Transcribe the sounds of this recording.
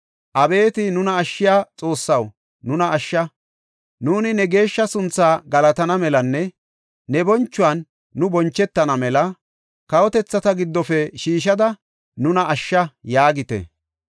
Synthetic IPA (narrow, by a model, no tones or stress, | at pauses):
ʔɐbe̞ːt̪ɪnʊnɐːʃːɪjaːt͡sʼo̞ːsːɐw | nʊnɐʔːʃːɐ | nuːnɪnɛɡe̞ːʃːɐsʊnt͡sːaːɡɐlɐt̪ɐnɐmɛlɐnːɛː | ɛbɔnt͡ʃːʊwɐnː | ʊbɔnt͡ʃːɛt̪ːɐnɐmɛlɐ | kɐwɔt̪ɛt͡sːɐt̪ɐɡɪd̪ːɔfɛʃiːʃ̬ɐd̪ɐ | nʊnɐʔɐʃːɐjaːɡɪt̪ɛ̰